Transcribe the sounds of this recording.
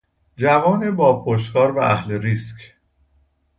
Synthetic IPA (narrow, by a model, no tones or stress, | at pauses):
d͡ʒævɒːnebɒːpʰoʃ̬kɒːɾvæʔæhleɾiːscʰ